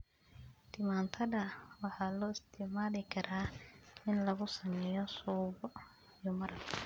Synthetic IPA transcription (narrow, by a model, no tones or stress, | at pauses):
t̪ʰɪmaːnt̪ʰɐðɐwɑħɑːlɔːɪst̪ʰɪʕmaːlɪkʰɐɾaːɪnlɐɣʊsɐmɛjɔsuːbɔ | ijɔmɐɾɐɡkʰɐ